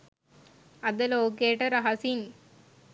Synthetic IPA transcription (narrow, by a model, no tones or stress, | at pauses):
ɐd̪əloːkejːʈəɾɐɦɐsin